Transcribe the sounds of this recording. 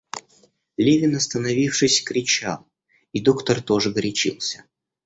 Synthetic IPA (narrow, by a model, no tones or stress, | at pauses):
lʲevʲɪnɐst̪ənɐvʲifʂɨsʲkɾʲɪt͡ɕa̰lˠ | id̪o̞kt̪ərt̪o̞ʐɨɡɾʲɪt͡ɕḭlˠsʲə̥